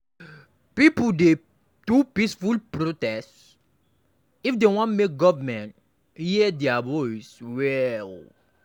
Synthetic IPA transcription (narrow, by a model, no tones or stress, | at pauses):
pipude | d̥upisfulpɾotɛst | ifdewɔ̃ntmek̚ɡɔvəmɛ̃nt | idɛabɔiswɛl